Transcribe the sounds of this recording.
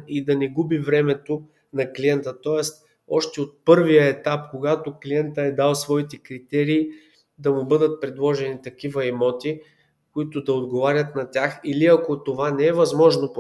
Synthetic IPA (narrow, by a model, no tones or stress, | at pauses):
id̪ɐnɛɡubivɾɛmɛt̪o | nɐkliɛnt̪ət̪ɔɛst̪ | ɔʃt̪ɛot̪̚pɤɾvijəɛt̪apkoɡat̪okliɛnt̪əɛd̪alˠsvɔit̪ɛkɾit̪ɛɾiː | d̪ɐmʊbɤd̪ət̪̚pɾɛd̪lˠɔʒɛnit̪ɐkivɐɛmɔt̪i | koit̪ʊd̪ɐod̪ɡovaɾʲət̪nɐt̪ʲaxiliɐkot̪ovanɛɛvɐzmɔʒnop